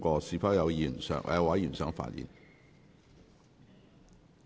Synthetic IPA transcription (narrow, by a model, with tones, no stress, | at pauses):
kɔː˧siː˨˧fɐ˥jɐ˨˧wjiː˨˩nsœ̰ː˨˥ŋʔwa˨˥jyː˨˩nsœː˨˥ŋfa̰ː˧˩njḭ˨˩n